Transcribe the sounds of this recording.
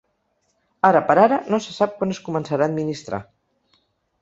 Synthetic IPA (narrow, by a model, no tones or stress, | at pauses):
aɾəpəɾaɾənosəsap̚kwanəskumənsəɾaːd̪̚minist̪ɾa̰